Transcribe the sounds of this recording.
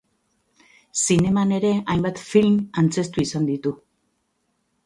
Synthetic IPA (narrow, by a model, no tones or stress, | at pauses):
sine̞mane̞ɾe̞ajmbat̪filmant͡se̞st̪uisand̪it̪u